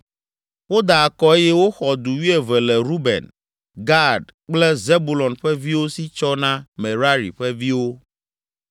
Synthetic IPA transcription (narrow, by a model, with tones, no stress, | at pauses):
wo˦d̪a˨kɔ˨e˦jɛ˦wo˦xɔ˨d̪u˨wi˦ɛ˨vɛ˨lɛ˨ɾu˦bɛ̰̃˨n | ɡa˦˨ɖk͡plɛ˦ze˦bu˨lɔ̃˨nɸɛ˦vi˦wo˦si˦t͡ʃɔ˦nã˦mɛ̃˨ɾa˦ɾḭ˨ɸɛ˦vi˦wo˦